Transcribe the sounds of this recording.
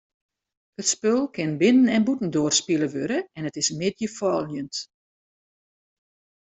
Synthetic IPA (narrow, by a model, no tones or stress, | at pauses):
hətspølˠkʰɪnbɪnənɛnbutn̩doːərspilˠəʋøɾəɛnətɪsmɪdjəfɔːlˠjənt